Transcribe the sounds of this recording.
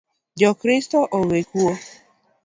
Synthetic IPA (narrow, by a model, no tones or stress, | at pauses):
d͡ʒɔkɾɪstɔʔowekuo